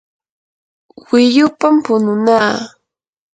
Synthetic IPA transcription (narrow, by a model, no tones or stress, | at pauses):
wɪʎʊpampʊnʊnaː